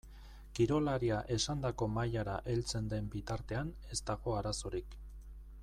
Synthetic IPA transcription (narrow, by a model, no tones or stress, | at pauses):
kiɾo̞laɾiaʔe̞sand̪ako̞majaɾaʔe̞lt͡se̞nd̪e̞mbit̪aɾt̪e̞an | e̞st̪aɣo̞aɾasoɾik